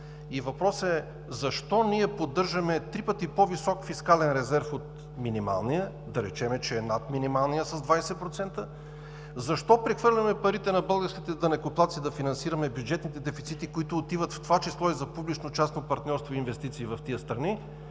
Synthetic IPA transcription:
ivɐpɾɔsɛ | zɐʃt̪ɔniɛpod̪ːɤɾʒɐmɛt̪ɾipət̪ipovisɔkfiskalɛnɾɛzɛɾfot̪ | minima̰lˠnijə | d̪ɐɾɛt͡ʃɛmɛt͡ʃɛɛnat̪minimalˠnijəsɐzd̪vajsɛpɾot̪sɛnt̪ə | zɐʃt̪ɔpɾɛxvɤɾlʲɐmɛpɐɾit̪ɛnɐbɤlˠɡəɾskʲit̪ɛd̪ɐnɛkoplˠat̪sid̪ɐfinɐnsiɾɐmɛbjud͡ʒɛt̪nit̪ɛd̪ɛfit̪sit̪ikoit̪ʊːt̪ivət̪ft̪ovat͡ʃislˠɔizɐpublit͡ʃnot͡ʃasnopɐɾt̪nʲɔɾst̪voinvɛst̪it̪siːvɐft̪iəst̪ɾɐni

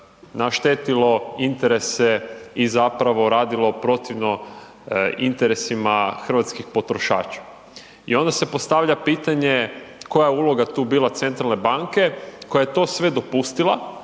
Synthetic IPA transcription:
naʃt̪et̪ilo̞int̪eɾe̞seizapɾaʋo̞ɾaːd̪ilopɾo̞t̪iʋno̞ | int̪eɾesimaxr̩ʋat̪skixpo̞t̪ɾoʃa̰ːt͡ʃḁ | ḭo̞nd̪ase̞po̞st̪aʋʎapiːt̪aɲe̞ko̞jajeulo̞ɡat̪uːbiːlˠat̪se̞nt̪ɾalne̞baŋke̞ko̞jajet̪o̞ːsʋe̞d̪o̞pust̪ila̰

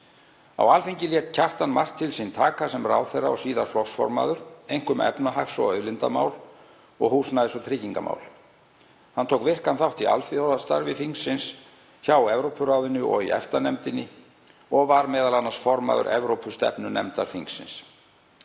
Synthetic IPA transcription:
a̰walfiɲcɪljɛt̪cʰar̥t̪anmar̥t̪ʰɪlsint̪ʰaːkasɛmra̰ːwθɛjrːaɔsiːðaɾ̥flɔsfɔ̰ɾma̰ːðʏɾejŋ̥kʏmɛ̰pnaɦaksɔ̰œɥlɪnt̪a̰ma̰ːwl | ɔɣhuːsnaðɪsɔt̪ʰɾɪːciŋkama̰ːwl | hant̪ʰowkvɪr̥kanθawht̪ia̰lfiɔðast̪aɾvɪfiŋksːɪns | çawɛvɾowpʰʏɾawðɪnʏʔɔ̰ɣḭɛ̰ft̪anɛmt̪ɪnːɪ | ɔɣvaɾmɛːðalanːasfɔɾma̰ðʏ̰ɾʔɛvɾowpʰʏst̪ɛ̰pnʏnɛmt̪aɾ̥fiŋksɪ̰ns

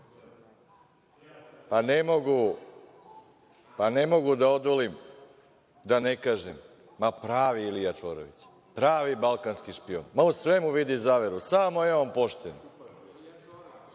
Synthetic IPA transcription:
panemo̞ɡu | pane̞mo̞ɡud̪aod̪ʋolim | d̪ane̞kaːʒemː | apɾaːʋiilijat͡ʃʋoɾo̰ʋḭt͡ɕ | pɾaːʋibalˠkanskiʃpio̰nmausʋe̞muʋid̪izaːʋeɾusamo̞jeompo̞ʃt̪en

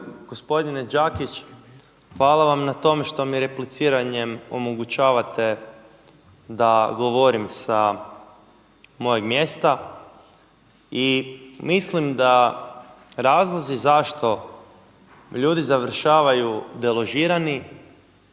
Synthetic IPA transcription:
ɡ̥ospo̞d̪ined͡ʒakit͡ʃ | xʋaːlaʋamnat̪o̞meʃt̪o̞miɾe̞plit̪siːɾaɲemo̞̰moɡut͡ɕaːʋat̪e̞ | d̪aɡo̞ʋoɾimsa | mo̞jeɡmjest̪a | imislimd̪a | ɾaːzlˠozizaʃt̪o̞ | ʎuːd̪izaʋr̩ʃaːʋajud̪elˠo̞ʒiːɾani

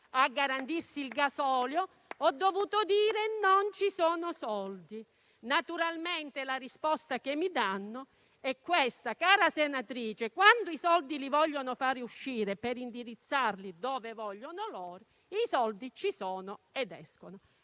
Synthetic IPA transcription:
aɡːaɾant̪irsiːlɡasɔːljo | ɔd̪ːovuːt̪od̪iːɾenont͡ʃisɔːnʊsɔld̪i | nat̪uɾalment̪ɪlarispɔst̪akemːid̪anːʊ | ɛkːwest̪akaːɾasenat̪ɾiːt͡ʃekwand̪ʊisɔld̪ilivɔʎːonʊfaːɾeuʃːiːɾepeɾind̪iɾit̪sːarlid̪ɔːvevɔʎːonʊlɔːɾi | isɔld̪it͡ʃisɔːnʊɛd̪ɛ̰skonʊ

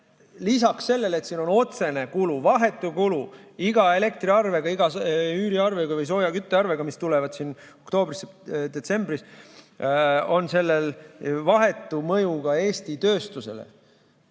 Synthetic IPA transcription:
lis̬ɑksːe̞lːe̞le̞t̪siːno̞no̞t̪se̞nekuluvɑɦe̞t̪ːˑukuluiɡ̥ɑe̞le̞k̚t̪riɑrve̞ɡ̥ɑiɡɑyːɾiɑrveɡ̥ɑvɤjs̬o̞ːjɑkyt̪ːˑeɑrveɡ̥ɑmist̪ule̞vɑd̪̥sin | o̞kt̪o̞ːbrised̪e̞t̪se̞mbris | o̞nse̞lːelvɑɦe̞t̪ːˑumɤjuɡɑe̞ːst̪it̪ø̞ːst̪use̞̰lḛ

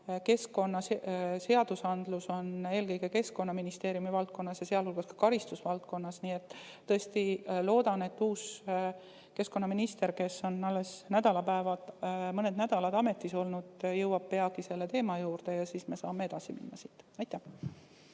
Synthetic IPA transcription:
ke̞sko̞nːɑsse̞ɑd̪̥usɑnd̪̥luso̞ne̞ːlkɤjɡ̥e̞ke̞sko̞nːɑminist̪e̞ːɾjumivɑlt̪̚ko̞nːɑsjɑse̞ɑlhulɡ̥ɑskɑ̥kɑɾist̪usvɑlt̪̚ko̞nːɑsnie̞t̪ː | ɤest̪ilo̞ːd̪̥ɑne̞t̪ːuːs | ke̞sko̞nːɑminist̪e̞ɾke̞sːo̞nɑlːe̞snæd̪̥ɑlɑpæevɑd̪mɤned̪næd̪̥ɑlɑd̪ɑme̞t̪ːˑiso̞lnud̪̥jɤwɑb̥̚pe̞ɑɡ̥ise̞lːe̞t̪e̞ːmɑjuːrd̪̥e̞jɑsiːsme̞sɑːmːee̞d̪̥ɑsimḭnːɑsit̪ːɑjt̪ːæh

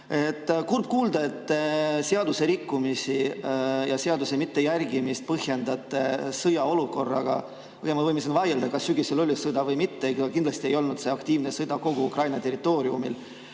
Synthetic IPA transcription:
e̞t̪ːˑkurb̥̚kuːld̪ɑe̞t̪ːseɑd̪use̞ɾikːumisijɑseɑd̪use̞mit̪ːe̞jærɡimist̪̚pɤhje̞nd̪ɑt̪ːˑesɤjɑo̞luko̞rːɑ̰ɡ̥ɑ̰ | pɤɡ̥emɑt̪vɤjmesenvɑjeld̪ɑkɑsːyɡiselo̞lʲisɯd̪ɑvɤjmit̪ːeejɡkind̪lɑst̪ie̞jo̞lnud̪̥se̞ɑkt̪iːvnesɤd̪ɑko̞ɡ̥uukrɑjnɑt̪e̞rit̪ːˑo̞ːɾiumil

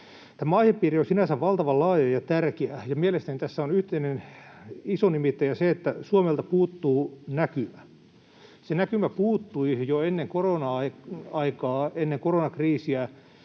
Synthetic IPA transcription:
t̪æmæɑiheppiːriosinæsæʋʋɑlt̪ɑʋɑlɑːjɑjjɑt̪ærkeæjɑmielest̪ænit̪æsːæonyht̪einen | isonimit̪ːæjɑseet̪ːæsuomelt̪ɑpuːt̪ːuːnækymæ | senækymæpuːt̪ːuijoenːeŋkoronɑɑiɑikɑːenːeŋkoronɑkriːsiæ

